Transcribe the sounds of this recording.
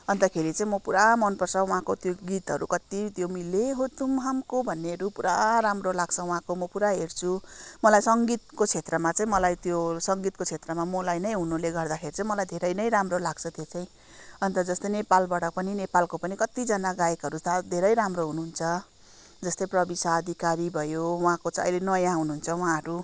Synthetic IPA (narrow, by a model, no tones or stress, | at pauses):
ʌnt̪ʌkʰeɾit͡saĩmʌpuɾamʌnpʌrsʰʌuɦãkot̪joɡit̪ɦʌɾukʌt̪it̪jomileɦot̪umɦamkobʱʌnːeʌɾupuɾaɾamrolaɡt͡sʰʌwɦãkomʌpuɾaɦert͡sʰumʌlajsʌŋɡit̪̚kot͡sʰet̪rʌmat͡saĩmʌlajt̪josʌŋɡit̪̚kot͡sʰet̪rʌmamʌlajnʌj̃ɦunuleɡʌrd̪akʰert͡sʌĩmʌlajd̪ʱeɾʌjnʌjɾamrolaɡ̥t͡sʰʌt̪jet͡saj̃ | ʌnt̪ʌd͡zʌst̪ʌjnepalbaɽʌpʌninepalkopʌnikʌt̪id͡zʌnaɡajekɦʌɾuad̪ʱeɾʌjɾamroɦunuɦunt͡sʰʌ | d͡zʌst̪ʌjprʌbisaːd̪ʱikaɾibʱʌjowɦãkot͡sʌ̰jlenʌjãɦunuɦunt͡sʰʌw̃ɦãɦʌɾu